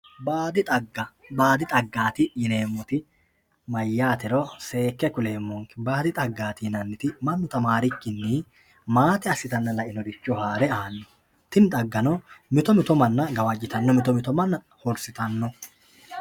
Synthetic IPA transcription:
baːd̪ɪt̪ʼɐɡːɐbaːd̪ɪt̪ʼɐɡːaːt̪ɪjɪneːmːɔt̪ɪ | mɐjːaːt̪ɪɾɔse̞ːkːɛkʊle̞ːmːɔŋkɪbaːd̪ɪt̪ʼɐɡːaːt̪ɪjɪnɐnːɪt̪ɪmɐnːʊt̪ɐmaːɾɪkːɪnːi | maːt̪ɛɐsːɪt̪ɐnːɐlɐʔɪnɔd̪ɪt͡ʃːɔhaːɾɛaːnːɔ̥ | t̪ɪnt̪ʼɐɡːɐnɔmɪt̪ɔmɪt̪ɔmɐnːɐɡɐwɐd͡ʒːɪt̪ɐnːɔmɪt̪ɔmɪt̪ɔmɐnːɐ | hɔɾsɪt̪ɐnːɔ

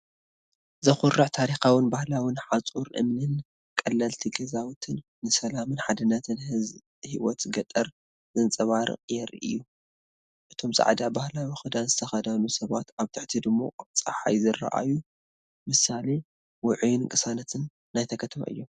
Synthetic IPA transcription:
zɐxʊrːɨʕt̪ʰaɾixawɪnbahlawinħat͡sʼuɾʔɨ̰mnɨn | kʼɐlːɐlt̪ʰiɡɐzawt̪ʰɨnːɨsɐlamɨnħad̪ɐnːɐt̪ʰɨnz | hiwɔt̪ɡɐt̪ʼɐɾ | zɨnt͡sʼɐβaɾɨ̰qʼjɛɾʔɨ̰jːu | ʔɨt̪ʰo̞mza̰ʕd̪abahlawixɨd̪anzɨt̪ʰɐxɐd̪ɐnusɐβat̪aβt̪ʰɨʕt̪ʰid̪ɨmːo̞̰t͡sʼɐħa̰jzɨrːa̰ʔa̰ju | mɨsale | wʊʕujnɨŋkʼɨsanɐt̪ʰɨnː | ajt̪ʰɐkʰɐt̪ʰɐma̰ʔɨ̰jːom

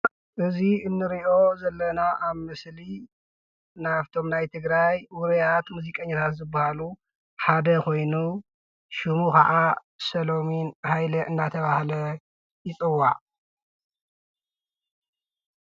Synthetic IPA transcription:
ʔɨziɨnːɨɾiʔo̞zɐlːɐnaʔaβmɨsli | naβt̪ʰo̞mnajt̪ʰɨɡɾajwʊɾɐjat̪muzikʼɐɲːat̪ʰat̪zɨbːahalu | ħad̪ɐkʰo̞jnu | ʃumukɐʕa | sɐlo̞minhajlɐʔɨnːat̪ʰɐβahlɐ | jɪt͡sʼɨwːaʕ

